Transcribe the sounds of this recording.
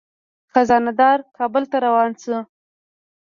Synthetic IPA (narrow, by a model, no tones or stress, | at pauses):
xazɑnad̪ɑɾkʰɑbəlt̪aɾawɑnsə